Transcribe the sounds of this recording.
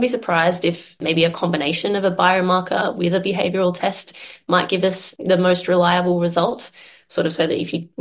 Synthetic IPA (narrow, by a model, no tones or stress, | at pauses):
bisə˞pʰɹ̥aɪzdɨfmeɪbiɨkʰɑ̃mbɨñeɪʃɨ̃nʌvəbaɪɹəmɑɹkʰə̰wɪðɨbɨɦeɪvjə˞ətʰɛstmaɪʔ̚ɡ̥ɪvʌsðɨmoʊst̚ɹɨlaɪɨbl̩ˠɹɨzʌlˠt | sɔɹɾʌv̥soʊðɨ̰ɾɨ̰fjɨ